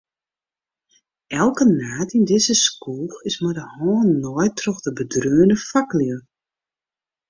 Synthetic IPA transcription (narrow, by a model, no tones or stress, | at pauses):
ɛlˠkənaːtindɪzəskuːxɪsmadəhɔːnnɔːjtʰrɔxdəbədrøːənəfakljə